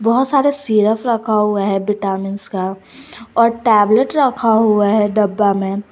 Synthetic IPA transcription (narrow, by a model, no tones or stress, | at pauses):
bɔɦʊt̪saːɾesiːɾəfɾɐkʰaɦuaɦɛbɪʈaːmɪnska | ɔːɾʈɛːbləʈɾɐkʰaɦuaɦɛɖɐbːamẽ